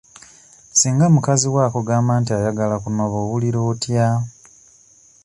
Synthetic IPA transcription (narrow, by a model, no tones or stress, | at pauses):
siːŋɡamukaziwakoɡaːmbaːntiajaɡalakunoβowuliɾo̞ːtja